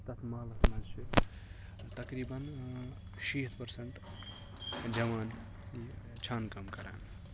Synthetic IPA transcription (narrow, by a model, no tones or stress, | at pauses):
t̪ɐt̪ʰmɐlɐsmat͡ʃi | t̪ɐkɾibən | ʃiːt̪ʰpəɾsəɳʈ | d͡ʒɐʋan | t͡ʃʰaːnkɐmkɐɾa̰ːn